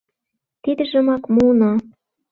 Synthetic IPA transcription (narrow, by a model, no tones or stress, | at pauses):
t̪id̪ɘ̆ʒɤ̆mɑkmuno